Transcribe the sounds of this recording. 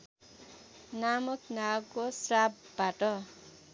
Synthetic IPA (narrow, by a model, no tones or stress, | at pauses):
namʌknakosrap | baʈʌ